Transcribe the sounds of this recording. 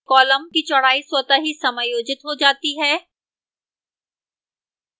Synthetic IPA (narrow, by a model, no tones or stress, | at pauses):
kɔːləmkit͡ʃɐɽ̤aːiswət̪aɦisɐməjoːd͡ʒɪt̪ɦod͡ʒaːt̪iɦɛː